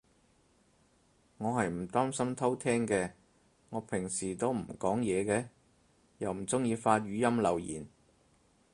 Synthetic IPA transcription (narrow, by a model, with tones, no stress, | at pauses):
ŋɔː˨˧ɦɐ˨jm̩˨˩t̪aː˥msɐ˥mt̪ʰɐ˥wt̪ʰɛː˥ŋkɛː˧ | ŋɔː˨˧pʰɪ˨˩ŋsiː˨˩t̪o˥wm̩˨˩kɔː˨˥ŋjɛː˨˧kɛː˧ | jɐ˨wm̩˨˩t͡sʊ˥ŋjiː˧faː˧t̚ɥyː˨˧jɐ˥mlɐ˨˩wjḭː˨˩n